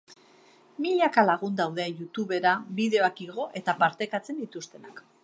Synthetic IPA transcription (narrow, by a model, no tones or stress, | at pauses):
miʎakalaɣ̞und̪awð̞e̞jut̪uβe̞ɾaβiðe̞o̞akiɣ̞o̞ʔe̞t̪apaɾt̪e̞kat͡se̞nd̪it̪ust̪e̞nak